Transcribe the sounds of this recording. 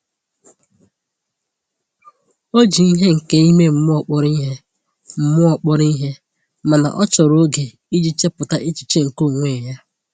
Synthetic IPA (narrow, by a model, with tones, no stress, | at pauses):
o˦d͡ʒi˨i˦ɦe˦ŋ̩˨ke˦i˦me˦m̩˨mʊ˦ɔ˨k͡pɔ˦ɾi˦ɦe˦ | m̩˦mʊ˦ɔ˨k͡pɔ˦ɾi˦ɦe˦ | ma˨na̰˨ʔɔ˦t͡ʃɔ˨ɾo˦ɡe˨ | i˦d͡ʒi˦t͡ʃe˦pʊ˨ta˦ʔi˦t͡ʃi̥˨t͡ʃe˦ŋ̩˨ko˦˨ŋʷe˦˨ja˦